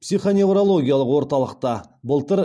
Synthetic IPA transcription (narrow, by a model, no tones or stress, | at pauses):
psijχo̞ne̞wɾolˠo̞ɡʲijalˠəqwo̞ɾt̪ɑlˠəq̚t̪ɑbəlˠt̪əɾ